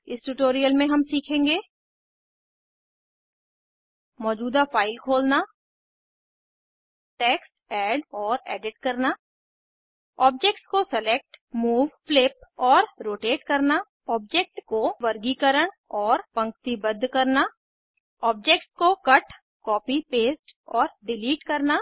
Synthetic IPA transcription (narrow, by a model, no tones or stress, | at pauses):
ɪsʈuʈoːɾijəlmẽɦɐmsiːkʰẽːŋɡeː | mɔːd͡ʒuːd̪afaːɪlkʰoːlna | ʈeːksʈɛːɖɔːɾɛːɖɪʈkɐɾna | ɔːb̚d͡ʒek̚ʈskosɐleːk̚ʈmuːʋflɪpɔːɾɾoːʈeːʈkɐɾna | ɔːb̚d͡ʒeːk̚ʈkoʋɐɾɡikəɾəɽ̃ | ɔːɾpɐ̃ŋkt̪ibəd̪ʱːkɐɾna | ɔːb̚d͡ʒeːk̚ʈskokɐʈ | kɔːpipeːsʈɔːɾɖɪliːʈkɐɾna